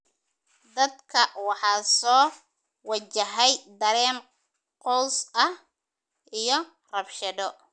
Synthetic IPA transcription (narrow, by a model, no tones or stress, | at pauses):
d̪ɐd̪kʰɐwɑħɑːsɔː | wɐt͡ʃɐɦɛjd̪ɐɾɛːn | qɔwsɐh | ʔijɞ | rɐbʃɐðɔ